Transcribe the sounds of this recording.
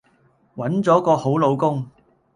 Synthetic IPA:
wɐ˨˥nt͡sɔː˨˥kɔː˧ho˨˥wlo˨˧wkʊ˥ŋ

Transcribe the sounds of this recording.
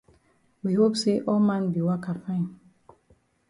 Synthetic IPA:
wihopseʔɔmã˦nbi˨wa˦ka˨fã˦n

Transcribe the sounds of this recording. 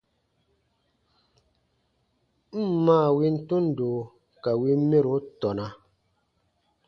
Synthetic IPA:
m̩˦˨˦maː˦˨wi˦n̩˦tu˦n̩˨doː˨ | ka˨wi˦me˦ɾo˨˦tɔ˨na˨

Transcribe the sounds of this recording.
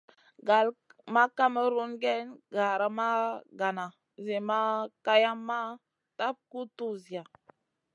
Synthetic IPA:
ɡa˨lma˦ka˦mə˦ɾu˦nɡe˦nɡa˨ɾa˨ma˦ɡa˨na˨ | ze˨ma˦ka˦ja˦mːa˦ | ta˦p̚ku˦tu˦zi˨a˨

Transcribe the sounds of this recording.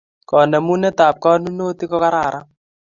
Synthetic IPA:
kɔ˨nɛ˨mu˦nɛ˦taː˨p̚kɔ˦nu˦no˦ti˦kɔ˦ka˦ɾa˨ɾʔa˦

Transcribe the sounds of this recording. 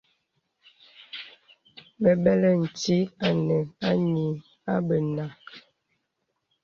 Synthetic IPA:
bə˨bɛ˦lɛ˦n̩˨ti˦a˨nə˨a˦ɲi˨ | a˦bə˨na˨

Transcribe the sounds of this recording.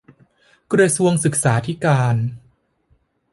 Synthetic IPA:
kɾa˧su˧əŋsɯ˨˩k̚saː˩˦t̪ʰi˦˥kaː˧n

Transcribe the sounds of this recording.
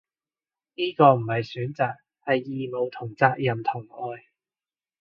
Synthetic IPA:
niː˥kɔː˧m̩˨˩hɐ˨jsyː˨˥nt͡saː˨k̚ | hɐ˨jːiː˨mo˨˧wt̪ʰʊ˨˩ŋt͡saː˧k̚jɐ˨mt̪ʰʊ˨˩ŋɔː˨˧j

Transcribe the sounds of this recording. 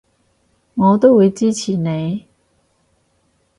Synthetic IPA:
ŋɔ˨˧˦t̪o˥˨we˨˧˥t͡ɕi˦˥t͡ɕʰi˨˩nẽ˨˦

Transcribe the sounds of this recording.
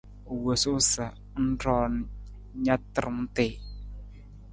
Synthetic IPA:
wo˨sʊ˦sa˨ | n̩˦ɾɔː˨n | ɲa˦tə˦ɾm˦te˨

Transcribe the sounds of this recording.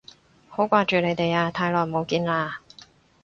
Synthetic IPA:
ho˨˥wkʷaː˧t͡ʃyː˨ne˨˧jt̪e˨jaː˧t̪ʰaː˧jlɔː˨˩jmo˨˧wkiː˧nlaː˧

